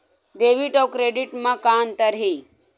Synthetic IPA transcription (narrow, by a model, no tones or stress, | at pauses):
ɖ̪eːʋiʈɔkɾeːɖiʈmãkaːnt̪əɾɦi